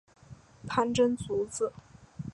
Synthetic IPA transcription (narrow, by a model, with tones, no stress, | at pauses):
pʰa˥˧nʈ͡ʂə˥nt͡su˧˥t͡sɹ̩˥˩